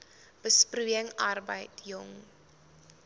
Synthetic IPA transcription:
b̥əspruəŋɐrbəjtjɔŋ

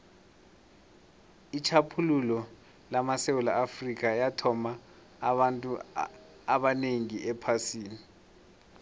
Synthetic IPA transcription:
it͡ʃʰapʰululɔ | lamasewulaʔafrik̬ajatʰɔma | antʼu | aɓaneŋiʔɛpʰasiːni

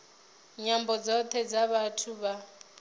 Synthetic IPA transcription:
ɲambɔd͡zɔt̪ʰɛd͡zaβatʰuβa

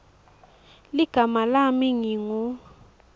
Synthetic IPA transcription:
liɡ̥ʱamalamiŋiŋu

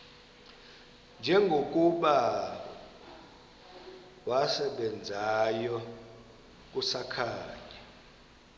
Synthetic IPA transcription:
nd͡ʒʱɛŋɡʱok̬ʼuɓa | wasɛɓɛnd͡zʱajɔ | k̬ʼusakʰaːɲa

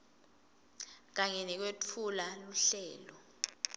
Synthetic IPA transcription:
k̬aɲɛnɛk̬wet͡fʰulaluɬɛːlɔ

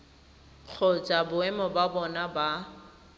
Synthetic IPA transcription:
k͡xʰot͡ʃʼabʊɛmɔbabɔnaba

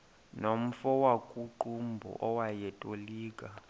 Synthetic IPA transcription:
nom̩fɔwakʼuǃumbʱɔ̰ʔɔwajɛtʼoliːkʼa

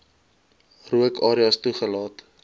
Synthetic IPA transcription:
ruəkɑːɾiɑstuχəlɑːt

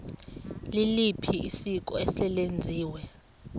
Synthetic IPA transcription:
lilipʰiisikʼɔɛsɛlend͡zʱiːwɛ

